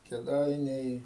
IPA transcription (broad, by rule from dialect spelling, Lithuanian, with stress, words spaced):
kʲɛˈdɐɪnʲɛɪ